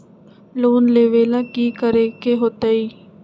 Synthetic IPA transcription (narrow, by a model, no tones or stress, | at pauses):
loːnleːʋeːlaːkiːkəɾeːkeɦoːt̪aiː